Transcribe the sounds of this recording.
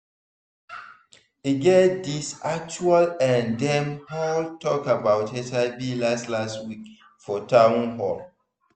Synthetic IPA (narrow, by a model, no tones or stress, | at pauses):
iɡɛdisak̚t͡ʃualɛ̃ndɛ̃mhaltʰɔkabaʊthɛtaɪbilastlastwik | fɔtʰãnhɔl